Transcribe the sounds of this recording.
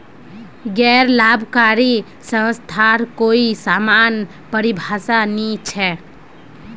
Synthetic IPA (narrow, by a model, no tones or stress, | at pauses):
ɡɛːɾlabʱkaɾi | sə̃wst̪ʰaɾkoisamaːn | pəɾibʱasanit͡ʃʰɛ